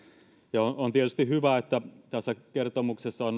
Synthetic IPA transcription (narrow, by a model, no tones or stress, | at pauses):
jɑonont̪iet̪yst̪ihyʋæet̪ːæt̪æsːækert̪omuksesːɑon